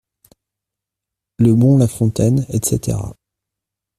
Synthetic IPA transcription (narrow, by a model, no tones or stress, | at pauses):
ləbɔ̃lafɔ̃t̪ɛnɛt̪set̪ʰḛʁa̰